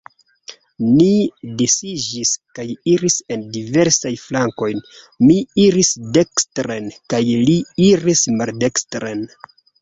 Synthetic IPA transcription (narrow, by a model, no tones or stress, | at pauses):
nidesid͡ʒiskajiɾise̞ndive̞ɾsajflaŋko̞jn | miiɾisdekstɾenkajliiɾismaldekstɾen